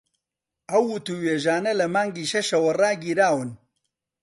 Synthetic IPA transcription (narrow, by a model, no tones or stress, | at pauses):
ʔɐwːʊt̪uweːʒaːnɐlɐmaːŋɡiːʃɐʃɐwɐraːɡiːɾaːwɨn